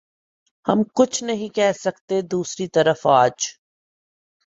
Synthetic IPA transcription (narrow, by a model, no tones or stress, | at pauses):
hɐmkʊt͡ʃʰnɐɦĩkɛɦsɐkt̪ed̪uːsɾit̪ɐɾəfaːd͡ʒ